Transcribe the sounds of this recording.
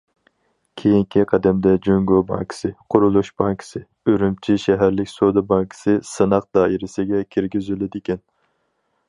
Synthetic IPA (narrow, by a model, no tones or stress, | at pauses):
kʲʰejiŋkʲʰiqʰæd̪ɛmd̪ɛd͡ʒøŋɡobɑ̰ŋkʰɪ̥sɨqʰʊɾulˠuʃbɑŋkʰɪ̥sɨ | øɾymt͡ʃʰiʃɛɦæɾlɪkʲsod̪ɑbɑŋkʰɪ̥sɨsɨnɑq̚d̪ɑːʔiɾɪsɪɡʲɛkʲʰiɾɡʲizylɪd̪ɪkʲɛn